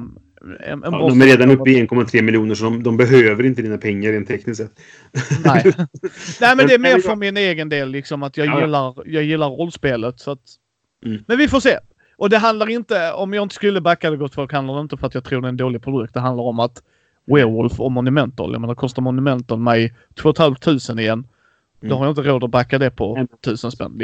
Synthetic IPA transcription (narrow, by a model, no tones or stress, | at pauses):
ɛ̰nɛ̰nɔd̪ɔmɛɾeːd̪anɵppɪɛnkʰɔmːat̪ʰɾeːmɪljuːnəʂɔd̪ɔmd̪ɔmbɛɦøːvəɾɪnt̪əd̪iːnapʰɛŋːaɾeːnt̪ʰːɛknɪst̪sɛt̪ː | nɛɪ | næɪmɛnd̪ɛːmeːɾfœɾmɪneːɡənd̪eːlːɪksɔmat̪jɑːɡjɪlːaɾjɑːɡjɪlːaɾːɔlːspeːlət̪sɔat̪ː | mɛnvɪfoːseː | ʔɔd̪ɛɦand̪laɾɪnt̪əɔmjɑːɪnt̪ə̥skɵlːəbakːad̪ɛɡɔt̪ːfɔlkhand̪aɾɖɛɪnt̪əfœɾat̪jɑt̪ʰɾuːɖɛɛnd̪oːlɪɡpʰɾʊd̪ɵk̚t̪̚d̪ɛɦand̪laɾɔmat̪ | weːwɔlfɔmɔnʉmɛnt̪ɔ̰ljɑ̰meːnaɾkʰɔst̪aɾmɔnʉmɛnt̪ənmɛɪt̪ʰvoːɔt̪ʰhalft̪ʰʉ̟ːsənɪjɛnː | d̪ɔhaɾjaɪnt̪əɾoːd̪ɔbakːad̪ɛpʰɔt̪ʰʉ̟ːsənspɛ̰nː